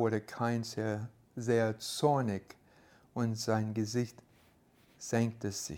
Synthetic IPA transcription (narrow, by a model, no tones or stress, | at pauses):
oɾəkʰaɪ̃nse | zeːɐt͡sɔɹnɪɡ | ʊntz̥aɪnɡəzɪçt | z̥ɛŋk̚təsɪ̰